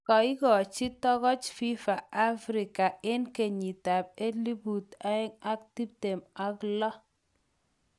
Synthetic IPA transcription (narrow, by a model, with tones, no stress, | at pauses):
kɔ˨ɪ˦ɡɔ˨t͡ʃi˦tɔ˦ɣɔ˦t͡ʃfi˦fa˨a˦fɾɪ˨ka˨ɪ˦nke˨ɲi˨ta˨p̚e˦li˦bu˨ta˦ɪ˦ŋa˦k̚ti˦p̚te˨ma˨klɔ˦